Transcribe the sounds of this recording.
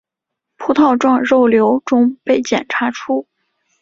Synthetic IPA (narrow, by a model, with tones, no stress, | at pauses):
pʰu˥t̪ʰɑ˥˧ʊʈ͡ʂwɑ˥˧ŋɻo˥˩ʊljo˧˥ʊʈ͡ʂʊ˥ŋpe˥˩ɪt͡ɕjɛ̰˨˩nʈ͡ʂʰa˧˥ʈ͡ʂʰu˥